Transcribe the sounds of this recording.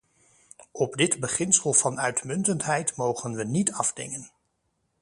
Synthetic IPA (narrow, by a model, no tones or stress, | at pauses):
ɔbdɪdbəχɪnsəlˠv̥ɑnœɥtmɵntəntɦɛjtmowχənʋənitɑvdɪ̰ŋən